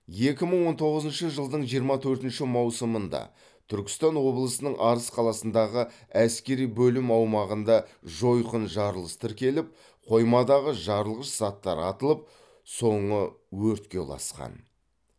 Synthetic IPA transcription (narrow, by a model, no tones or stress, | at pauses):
je̞kʲɪməɴwo̞nt̪ʰo̞ʁəzənʃəʒəlˠd̪əɴʒijəɾmɑt̪ʰɵɾt̪ɪnʃɪmɑwsəmənd̪ɑ̰ | t̪ʰʏɾkʲɪ̥st̪ɑnwo̞blˠəsənəɴʔɑɾəsqʰɑlˠɑsənd̪ɑʁə | æskʲe̞ɾijbɵlɪmɑwmɑʁənd̪ɑʒo̞jqənʒɑɾlˠəst̪əɾkʲe̞lɪp̚ | qʰo̞jmɑd̪ɑʁəʒɑɾəlˠʁəʃz̥ɑt̪ːɑ̰ɾɑ̰t̪əlˠəp̚ | so̞ɴə | wɵɾt̪kʲe̞lˠɑ̰sqɑ̰n